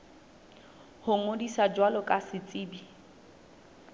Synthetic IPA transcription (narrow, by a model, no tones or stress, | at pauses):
hʊŋodisad͡ʒwalɔkʼasɪt͡sʼiːbi